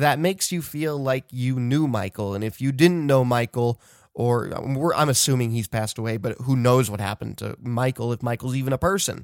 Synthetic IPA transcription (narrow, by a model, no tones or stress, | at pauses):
ðɨt̚meɪksjɨfilˠlaɪkjɨnumaɪkl̩ˠə̃nɨfjɨdɪdⁿn̩noʊmaɪkl̩ˠ | ʔə̰˞wɪɹʔã̰ɪ̃mɨsʉ̃mɪ̃ŋiz̥pʰæstəweɪbʌt̚ɦunoʊzwʌt̚hæ̰pn̩tʰɨ̰maɪkl̩ˠəfmaɪkl̩ˠzivɨ̃nəpʰɜ˞sɨ̰̃n